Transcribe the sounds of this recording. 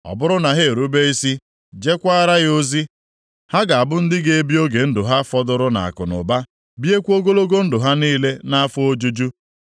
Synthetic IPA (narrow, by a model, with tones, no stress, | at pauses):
ɔ̰˨bʊ˦ɾʊ˦na˨ɦe˦e˨ɾu˦be˦i˦si˦ | d͡ʒe˦kʷa˦ɾa˦ɣo˦zi˦ | ha˦ɡa˨a˨bʊ˦n̩˦dɪ˦ɡe˦e˦bi˦o˦ɡe˨n̩˦dʊ˨ɦa˦fɔ˦dʊ˦ɾʊ˦na̰˨a̰˨kʊ̰˨nʊ̰˨ba˦ | bi˦e˦kʷu˦o˦ɡo˦lo˦ɡo˦n̩˦dʊ˨ɦa˦niː˦le˦na˦a˦fʊ˦o˦d͡ʒu˦d͡ʒu˦